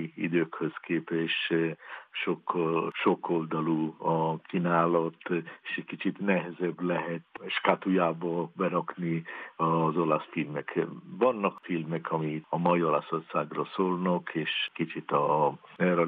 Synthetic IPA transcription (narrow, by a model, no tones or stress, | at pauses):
ḭd̪øːkhøskeːpɛʃ | ʃokʃo̞ko̞ld̪ɒluɒkʰinaːlɒt̪eʃɛckit͡ʃit̪nɛɦɛzɛblɛɦɛt̪ʃkat̪ujaːbɒbɛɾɒkniɒzolɒsfilmɛkvɒnːɒkfilmɛkʰɒmiɒmɒjio̞lɒso̞rsaːɡrɒsoːlnɒkʰeːʃkit͡ʃit̪ɒɛɾɔ